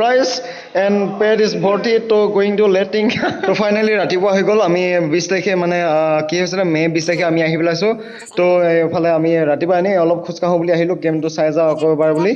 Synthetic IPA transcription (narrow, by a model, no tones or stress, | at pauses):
pɹajs | ɛnpɛdisbʱɔɹtitoɡoiŋtulɛtiŋtopʰajnaliɹatipʊaɦojɡɔlamibistakʰɛmanɛkiɦojsilɛmɛbistakʰɛamiaɦipɛlajsʊ̃ | topʰalɛamiɹatibanɛɔlɔp̚kʰuskaɦɔ̃buliaɦilʊ̃kemtʊsajzaɔkɔbaɹbuli